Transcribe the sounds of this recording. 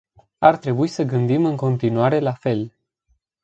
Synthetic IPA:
art̪ɾe̞buisəɡɨnd̪imɨŋko̞nt̪inuaɾe̞lafe̞l

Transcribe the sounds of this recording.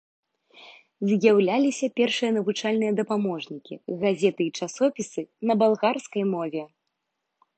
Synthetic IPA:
zʲjawlʲalʲisʲɐpʲɛrʂɨjɐnɐvut͡ʂalʲnɨjɐd̪ɐpamɔʐnʲikʲḭɣazʲɛt̪ɨit͡ʂasɔpʲisɨnɐbalˠɣarskɐjmɔvʲɛ

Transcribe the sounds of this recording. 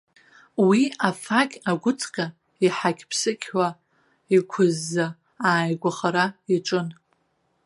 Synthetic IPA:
wiafakʲʼaɡʷʊt͡sʰʼqʲʼa | iħakʲʰpʰsɨkʲħʷa | ikʷʰʊzːa | aːjɡʷaχaɾaiʈ͡ʂʼɨn

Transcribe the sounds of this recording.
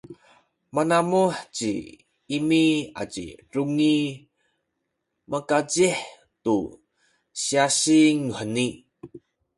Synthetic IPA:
manamuħt͡ɕḭ | imia̰t͡ɕḭruŋi | makad͡ʑiħ | tu | siasiŋuħəni

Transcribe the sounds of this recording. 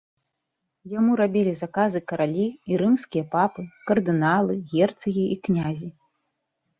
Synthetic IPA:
jamuɾabʲilʲizakazɨkɐɾalʲiːɾɨmskʲijɐpapɨkɐrd̪ɨnalˠɨɣʲɛrt̪sɨɣʲiʔiknʲazʲi

